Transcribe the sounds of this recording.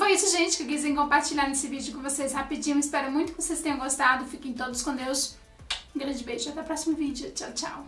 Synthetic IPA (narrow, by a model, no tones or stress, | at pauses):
fojisʊʒẽt͡ʃɪ̥kɪkizẽj̃kõmpaɾt͡ʃilʎaɾnesɪvid͡ʒʊkõvoseshapid͡ʒĩʊ̃ispɛɾɐmũj̃t̪ʊkɪvosest̪ẽɲ̃ɐ̃ɡost̪ad̪ʊfikẽj̃t̪od̪ʊskõd̪ews | ɡɾɐ̃nd͡ʒɪbejʒʊat̪ɛpɾɔsimʊvid͡ʒʊt͡ʃawt͡ʃa̰w